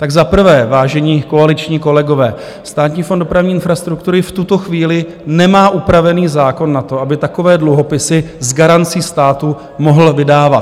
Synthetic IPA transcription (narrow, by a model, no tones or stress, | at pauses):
t̪aɡzapr̩vɛːvaːʒɛɲiːkoalɪt͡ʃɲiːko̞lɛɡo̞vɛː | st̪aːt̪ɲiːfondo̞pɾavɲiːɪnfɾast̪ɾukt̪uɾɪft̪ut̪o̞xviːlɪ | nɛmaːʔupɾavɛniːzaːko̞nːat̪o̞ʔabɪt̪ako̞vɛːdluɦo̞pɪsɪzɡaɾant͡siːst̪aːt̪u | moɦl̩vɪdaːvat̪